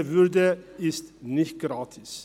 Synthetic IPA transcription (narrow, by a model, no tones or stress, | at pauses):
ʋʏɾd̪əɪst̪nɪçt̪̚ɡ̥ɾɑːt̪ʰɪs